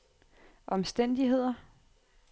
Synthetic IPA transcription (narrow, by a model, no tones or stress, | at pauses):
ʔɒ̽msd̥en̰d̥iɦe̝ð̞̰ˠɐ